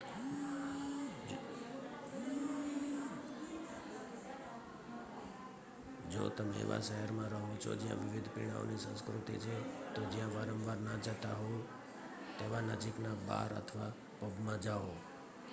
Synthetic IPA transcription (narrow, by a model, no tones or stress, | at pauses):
d͡ʒo̰t̪əmeḛʋa̰ʃəɦəɾmãɾəɦũt͡ʃʰo̰d͡ʒjã̰ʋɪʋid̪ʱpḭɽ̃a̰o̰nisə̃skɾut̪ḭt͡ʃʰet̪od͡ʒjãʋaɾəmʋaɾnad͡ʒət̪aɦo | t̪eʋanəd͡ʒiknaba̰ɾə̰t̪ʰʋa | pobmãd͡ʒao